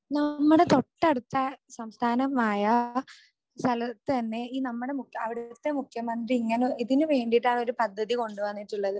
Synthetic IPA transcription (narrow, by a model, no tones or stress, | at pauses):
nɐmːuɽe̞t̪o̞ʈːeɽut̪ːɐsɐmst̪ʰaːnɐmaːjɐ | st̪ʰɐlɐt̪ːɨt̪ɐnːe̞iːnɐmːuɽe̞mukɐʋiɽt̪ːe̞mukʰjɐmɐnd̪riiŋːɐneiðinuʋe̞ːɳɖiʈːaːɳo̞ɾupɐd̪ʱːɐðiko̞ɳɖuʋɐnːiʈːuɭːɐðɨ